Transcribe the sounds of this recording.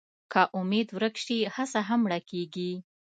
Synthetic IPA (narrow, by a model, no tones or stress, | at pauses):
kaʔʊmed̪wɾəkʃihasaɦamːɽakeɡi